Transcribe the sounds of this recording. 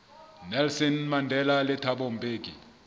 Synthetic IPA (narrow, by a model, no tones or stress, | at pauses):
nɛlsɔnmandʱɛlalɛtʰaɓɔmbʱʼeːɡʱʼi